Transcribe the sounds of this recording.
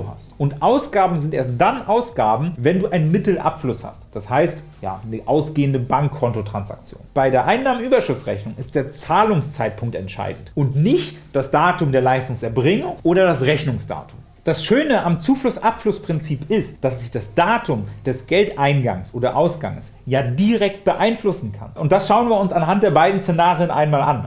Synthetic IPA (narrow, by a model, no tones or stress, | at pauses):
ha̰stʔʊntʔaʊsɡ̥aːbm̩zɪntʔeːɐst̚d̥anʔaʊsɡ̥aːbm̩vɛnduːʔaɪnənmɪtl̩ʔa̰pflʊsha̰std̥ashaɪstja̰ːnəʔaʊsɡ̥eːəndəbaŋkʰːɔntotʁ̥ansa̰k̚t͡sjo̰ːnb̥aɪdeːɐʔaɪnːaːmənʔyːbɐʃʊsʁɛ̰çnʊŋɪst̚d̥eːɐt͡saːlʊŋst͡saɪt̚pʰʊŋk̚tɛ̰ntʃa̰ɪdn̩tʔʊntnɪçtd̥asd̥aːtʊmdeːɐlaɪstʊŋsɛɐbʁɪŋənʔoːɾɐdasʁɛçnʊŋsd̥a̰ːtʰʊm | d̥asʃøːnəʔamt͡suːflʊsʔapflʊspʁ̥ɪnt͡siːpɪstd̥asz̥ɪçd̥asd̥aːtʰʊmd̥ɛsɡ̥ɛltʔaɪnɡa̰ŋsʔoːdɐʔaʊsɡ̥a̰ŋəs | jaːdiʁɛk̚t̚b̥əʔaɪnflʊsn̩kʰa̰nʔʊnt̚d̥asʃaʊənviːɐʊnsanɦantd̥eːɐbaɪdn̩st͡st͡senaːʁiənʔa̰ɪnmaːlʔa̰n